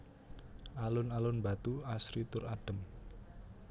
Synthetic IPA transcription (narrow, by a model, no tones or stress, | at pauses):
ʔalʊnalʊnba̤t̪uasɾit̪ʊraɖ̥ə̤m